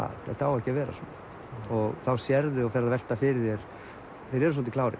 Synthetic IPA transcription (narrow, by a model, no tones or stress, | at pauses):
a̰ðθɛ̰̥t̪awɛhcɪavɛːɾa̰sɔn | ɔɣθawsjɛɾðɪɔfɛɾavɛl̥t̪afɪɾɪjɛɾ̥ | θejɾɛɾʏs̬ɔlt̪ɪklaːwɾɪ̰